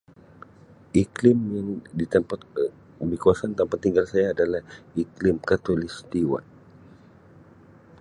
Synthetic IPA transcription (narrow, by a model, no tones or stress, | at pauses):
ʔiklɪmjaŋdit̪ampat̪̚ | bikuasant̪ampat̪ːiŋɡalsajaːdalahiklɪmkat̪olist̪iwa̰n